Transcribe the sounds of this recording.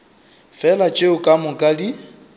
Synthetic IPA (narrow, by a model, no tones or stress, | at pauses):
fɛlat͡ʃʼeʊkʼamʊkʼadi